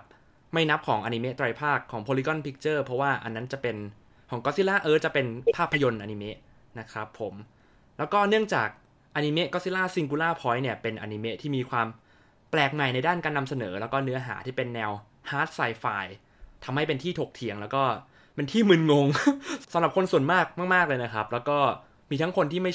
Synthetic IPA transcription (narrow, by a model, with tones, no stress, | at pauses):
p̚ | ma˥˩jna˦˥p̚kʰɔː˩˦ŋʔa˧ni˧me˦˥t̪ɾa˧jpʰaː˥˩kʰːɔː˩˦ŋpʰoː˧li˦˥kɔ˧˥˩npʰi˦˥k̚t͡ɕɤː˥˩pʰɾɔ˦˥waː˥˩ʔa̰˧nːa˦˥nt͡ɕa˨˩pe˧n | kʰɔː˩˦kɔ˦˥t̪̚si˦˥laː˥˩ʔɤː˦˥t͡ɕa˨˩pe˧npʰaː˥˩pʰːa˧jo˧nʔa˧ni˧me˦˥ʔ | na˦˥kʰɾa˦˥pʰːo˨˩˦m | lɛː˦˥wkɔː˥˩nɯ˥˩əŋt͡ɕaː˨˩k̚ | ʔa˧ni˧me˦˥ʔkɔː˧˦˥si˥laː˥˩si˧ŋk̬uː˧laː˥˩pʰɔː˦˥jni˥˩ɐpe˧nʔa̰˧ni˧me˦˥ʔt̪ʰiː˥˩miː˧kʰwaː˧m | plɛː˨˩k̚ma˨˩jna˧jdaː˥˩nkaː˧nːa˧msa˧nɤː˩˦lɛː˦˥wkɔː˥˩nɯ˦˥ɐɦa̰ː˩˦t̪ʰiː˥˩pe˧nːɛː˧w | haː˦˥t̪̚saː˧jfaː˧j | t̪ʰa˧mha˥˩jpe˧nt̪ʰiː˥˩t̪ʰo˨˩k̚t̪ʰi˨˩˦əŋlɛː˦˥wkɔː˥˩ | pe˧nt̪ʰiː˥˩mɯː˧nŋo˧ŋsa˨˦ɾa˨˩p̚kʰo˧nsu˨˩ənmaː˥˩k̚maː˥˩k̚maː˥˩k̚lɤː˧jna˦˥kʰɾa˦˥p̚lɛː˦˥wkɔː˥˩ | miː˧t̪ʰa˦˥ŋkʰo˧nt̪ʰiː˥˩ma˥˩j